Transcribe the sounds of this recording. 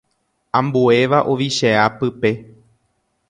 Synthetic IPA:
ãmbue̞ʋaʔoʋiʃeapɨpe̞

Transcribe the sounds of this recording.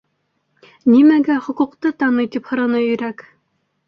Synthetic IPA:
nimæɡæχŏquqt̪ɤt̪ɑnɤjt̪iphɤ̆ɾɤ̆nɤɵ̆jɾæk

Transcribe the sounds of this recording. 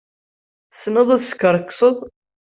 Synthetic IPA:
θə̥sːnəðˤæsə̥kːəɾˤəkːsˤəðˤ

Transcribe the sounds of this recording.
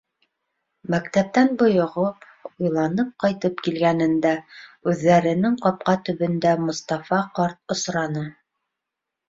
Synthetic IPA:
mækt̪æp̚t̪ænbŏjŏʁɤp | ujlˠɑnɤp̚qɑjt̪ɤpkilɡænɘ̆nd̪æʉðːæɾɘ̆nɘŋqɑp̚qɑt̪ɵ̆βɵ̆nd̪æmŏst̪ɑfɑqɑɾt̪̚ŏsɾɑnɤ

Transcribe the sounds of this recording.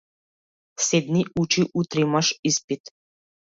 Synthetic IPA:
sed̪niut͡ʃiʔut̪ɾimaʃispit̪

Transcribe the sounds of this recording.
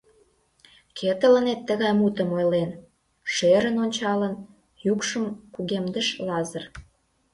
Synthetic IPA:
kʰet̪ələ̆net̪ːəɣɑjmut̪əmojlen | ʃeɾənonʲt͡ɕɑlən | jukʃəmkuɣemd̪ə̆ʃlɑzə̆r

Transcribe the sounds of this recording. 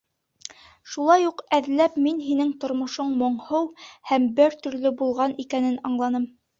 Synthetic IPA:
ʃulˠɑjuqæðlæpminɦinɘŋt̪ŏɾmŏʃoɴmoɴhɤwhæmbɘɾt̪ɵ̆ɾlɵbulˠʁɑnikænɘnɑɴlˠɑnɤm

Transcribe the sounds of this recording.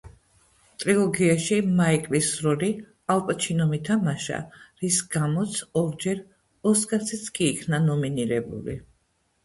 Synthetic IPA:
t̪ʼɾilˠɔɡiaʃimaikʼvisɾɔɾi | alˠpʼt͡ʃʰinɔmit̪ʰamaʃa̰ɾisɡ̥amɔt̪sʰɔɾd͡ʒɛɾ | ɔskʼasʰit̪sʰkʼiːkʰnanɔminiɾɛbṵlḭ

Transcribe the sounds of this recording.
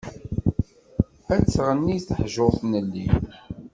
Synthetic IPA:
æt͡sːʁənːiθəħʒoʁθnəlːi

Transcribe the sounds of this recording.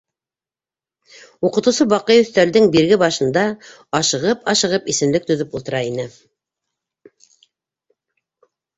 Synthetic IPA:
uqɤ̆t̪ɤwsɤβɑqɤjɵ̆θt̪æɾðɘŋbiɾɡɘbɑʃɤ̆nd̪ɑ | ɑʃɤ̆ʁɤpɑʃɤ̆ʁɤpisɘ̆mlɘk̚t̪ɵ̆ðɵpulˠt̪ɤ̆ɾɑinɘ

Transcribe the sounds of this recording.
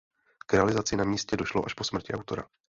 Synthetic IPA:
kɾɛalɪzat͡sɪnamiːscɛdo̞ʃloʔaʃpo̞smr̩cɪawt̪o̞ɾa̰

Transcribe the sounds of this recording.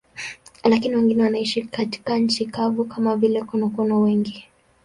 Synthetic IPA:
lakiniwɛŋɡinɛwanaiʃikati̥kaɲ̩t͡ʃikavukamavilɛkunɔkɔnɔwɛŋɡi

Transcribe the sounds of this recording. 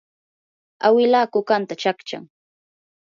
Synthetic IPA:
awɪlaːkʊkant̪at͡ʃakt͡ʃa̰ŋ

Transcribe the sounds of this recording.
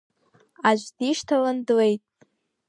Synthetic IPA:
aʒʷdiʂtʰalandwe̞jtʼ

